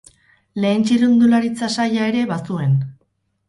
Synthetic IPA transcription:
le̞ːnt͡ʃiɾund̪ulaɾit͡sasajae̞ɾe̞βasue̞n

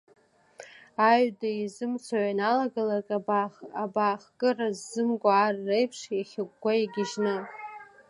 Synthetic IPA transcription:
aɥdaizɨmt͡sʰaʕanalaɡalakʼabaːχkʼɨrazːɨmɡʷʼaːrːejpʰʂjaχʲɪk̚ʷʼɡʷajaɡʲɪʒnɨ

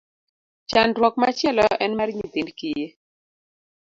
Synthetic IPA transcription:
t͡ʃandɾwɔkmat͡ʃɛlɔʔɛnmaɾɲit̪indkɪje

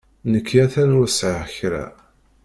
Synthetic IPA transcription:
nəkʰːjæθænusʕəçɾæ̰

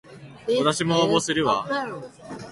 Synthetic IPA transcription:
at̪aɕimoabosɨɾɯ̟βa

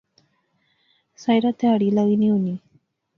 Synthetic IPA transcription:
sajɾat̪eaɽilaɣiniuni

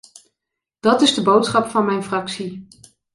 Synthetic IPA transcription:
d̥ɑtɪzdəbowtsχɑpfɑnmɛjnfrɑksi

